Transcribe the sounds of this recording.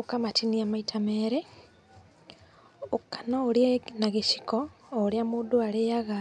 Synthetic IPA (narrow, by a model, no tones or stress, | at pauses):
okamatiniamaitʰameːɾe | okḁnooɾjenaɣeʃi̥koː | ɾjamuːduaɾejaɣa